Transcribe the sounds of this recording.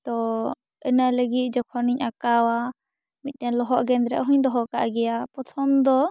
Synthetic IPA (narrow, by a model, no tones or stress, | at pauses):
t̪ɔ | ɛnaləɡit̪̚ˀd͡ʒɔkʰɔniɲakawa | mit̪̚ˀt̪ɛlɔɦɔʔɡɛnd̪ɾɛ̰ʔɦuɲd̪ɔɦɔʔkaʔɡɛjapɔt̪ʰɔnd̪ɔ